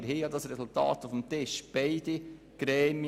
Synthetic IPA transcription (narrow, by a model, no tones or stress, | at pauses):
ɾɦiːjɑd̪ɑsɾɛsʊlt̪ɑ̰ːt̪ufm̩t̪ɪʃb̥ɛɪd̥̪i | ɡ̥ɾɛːmi